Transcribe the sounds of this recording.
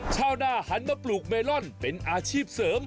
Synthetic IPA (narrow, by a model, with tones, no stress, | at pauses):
t͡ɕʰaː˥˩wnaː˥˩ha˨˥nmaː˧˩pluː˨˩k̚meː˧lɔ˥˩npe˧nʔaː˧t͡ɕʰiː˥˩p̚sɤː˩˦m